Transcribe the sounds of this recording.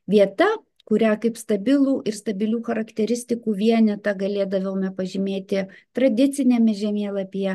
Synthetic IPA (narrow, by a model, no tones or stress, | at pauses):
ʋʲiɛt̪ɐ | kʊɾʲæːkɐɪpst̪ɐbʲɪlˠuːʔɪɾst̪ɐbʲɪlʲuːxɐɾɐkt̪ʲɛɾʲɪsʲt̪ʲɪkuːʋʲiɛnʲɛt̪ɐɡɐlʲeːd̪ɐʋʲɛwmʲɛpɐʒʲɪmʲeːt̪ʲɪt̪ɾɐd̪ʲɪt̪sʲɪnʲɛmʲɛʒʲɛmʲeːlˠɐpʲiɛ